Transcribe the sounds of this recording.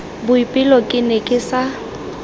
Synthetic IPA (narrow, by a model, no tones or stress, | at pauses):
bʊipʼɪlɔkʼɪnɛkʼɪsa